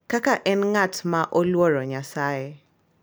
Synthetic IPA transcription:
kakaʔɛnŋatmaʔolwɔɾɔɲasaje

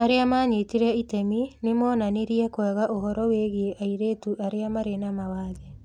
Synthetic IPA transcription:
aɾeamaːɲetiɾɛitɛminemɔːnaneɾiɛkwɛɣaʔoɦɔɾɔweɣieʔaiɾetuʔaɾeamaɾenamawaːðe

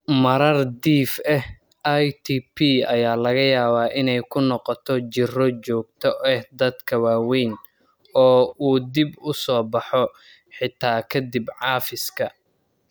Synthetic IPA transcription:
mɐɾɐrd̪iːfɛh | ʔajt̪ʰiːpʰiɐjaːlɐɣɐjaːβaːʔɪnɛjkʰʊnɔqɔt̪ʰɔt͡ʃɪrɔt͡ʃɔːɡ̚t̪ʰɔʔɛhd̪ɐd̪kʰɐwaːwɛjn | ɔːuːd̪ɪbʊsɔːbɑħɔ | ħɪt̪ʰaːkʰɐd̪ibʕɑːfɪskʰɐ

